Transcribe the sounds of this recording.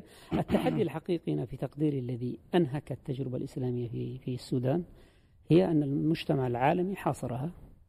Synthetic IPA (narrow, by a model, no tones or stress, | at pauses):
ʔɪt̪ːaħad̪ːialħaqiːqinafit̪ɑqd̪iːɾɪlːaðiʔanɦakat̪ːad͡ʒɾɪba̰lʔɪslaːmɪjːaifisːuːd̪aːn | hɪjːaʔanːalmʊd͡ʒt̪amaʕɪlʕaːlamiħɑːsˤɑɾˤha